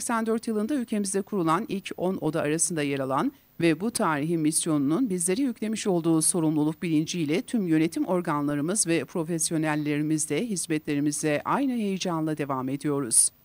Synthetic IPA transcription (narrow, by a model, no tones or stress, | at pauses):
sɛcsænd̪øɾt̪jɯlˠɯnd̪aylʲcʰe̞mizd̪ɛkʰuɾulˠanilʲcʰo̞no̞̰d̪aːɾasɯnd̪ajeɾalˠan | vɛbut̪ʰaːɾiɦimisjo̞nununbizlʲe̞ɾijycʰʲlʲe̞miʃo̞lˠd̪uːso̞ɾumlˠulˠuk̚bilʲind͡ʒilʲɛt̪ʰymjø̞ne̞t̪ʰimʔo̞ɾɡanlˠaɾɯmɯzvɛpʰɾo̞fesjo̞nælʲːe̞ɾimizd̪ɛɦizmɛt̪lʲe̞ɾimizd̪ɛʔajnɯɦe̞jid͡ʒanlˠad̪e̞vame̞d̪ijo̞ɾuz̥